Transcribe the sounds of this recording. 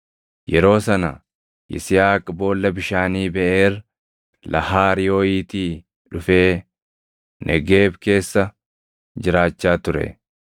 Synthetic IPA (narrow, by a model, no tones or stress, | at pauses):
jɛɾo̞ːsɐnɐ | ʔɪ̰sɪjaːkʼbo̞ːlːɐbɪʃaːniːbɛʔeːr | lʔɐ̰haːɾɪjo̞ːiːt̪iː | ᶑʊfeː | nʔɛ̰ɡe̞ːbke̞ːsːɐ | d͡ʒɪɾaːt͡ʃːaːt̪ʊɾɛ̰